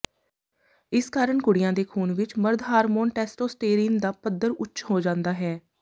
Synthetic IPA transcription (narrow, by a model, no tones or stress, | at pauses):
ɪskaːɾəɳkʊɽɪjãːd̪eːkʰuːnʋɪt͡ʃməɾd̪ɦaːɾmoːnʈɛːsʈoːsʈeːɾiːnd̪aːpəd̪əɾʊtːt͡ʃʰɦoːd͡ʒãːnd̪aːɦɛː